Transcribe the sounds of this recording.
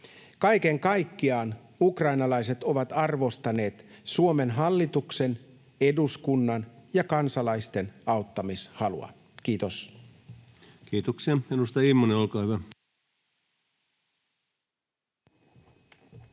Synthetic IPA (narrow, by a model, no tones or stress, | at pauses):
kɑjke̞ŋkɑjkːiɑːn | ukrɑjnɑlɑjse̞t̪o̞ʋɑt̪ɑrʋo̞st̪ɑne̞ːt̪suo̞me̞nɦɑlːit̪ukse̞n | e̞duskunːɑnjɑkɑnsɑlɑjst̪e̞nɑwt̪ːɑmishɑlṵɑ̰ | k̟iːt̪o̞s | kiːt̪oksiɑinust̪ɑimːoneolkɑːhyʋæ